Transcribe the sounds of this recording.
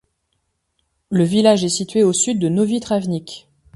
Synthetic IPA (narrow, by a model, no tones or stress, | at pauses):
ləvilaʒɛsit̪ɥeosyd̪ːənovit̪χavnikʲ